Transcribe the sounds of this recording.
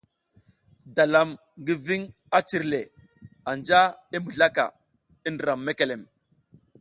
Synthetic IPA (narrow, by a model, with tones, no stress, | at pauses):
da˨la˨m | ɡi˦vi˦ŋ | a˦t͡ʃi˨ɾle˨ | a˨nd͡ʒa˦i˦mə˨ɮa˦ka̰˨ | i˦ndə˨ɾa˨mːe˦ke˨le˨m